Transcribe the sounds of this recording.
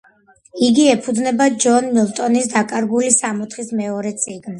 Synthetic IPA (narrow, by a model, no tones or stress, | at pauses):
iɡiɛpʰud̪znɛbad͡ʒɔnmilˠt̪ʼɔnisd̪akʼaɾɡulisamɔt̪ʰχismɛɔɾɛt̪sʼiɡn